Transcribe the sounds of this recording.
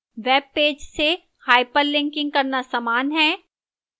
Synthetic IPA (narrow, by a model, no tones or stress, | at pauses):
ʋeːb̚pːeːd͡ʒse | haːɪpəɾlɪ̃ŋkɪ̃ŋɡ̚kɐɾnasaːmaːnɦɛ̃ː